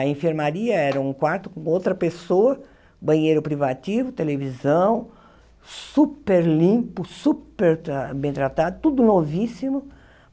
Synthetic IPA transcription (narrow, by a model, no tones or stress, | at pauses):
ɐẽfeɾmaɾiɐɛɾɐũkwaɾt̪ʊ̥kõowt̪ɾɐpesoɐ | bɐ̃ɲejɾʊpɾivat̪ivʊt̪elevizɐ̃w̃ | supeɾlĩpʊsupeɾɾabẽj̃t̪ɾat̪ad̪ʊt̪ud̪ʊnovisimʊ